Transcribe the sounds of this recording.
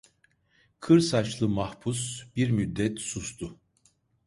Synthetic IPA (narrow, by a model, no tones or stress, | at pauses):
kʰɯɾsat͡ʃlˠɯmahpʰusb̥iɾmyd̪ːɛt̪sust̪ʰʊ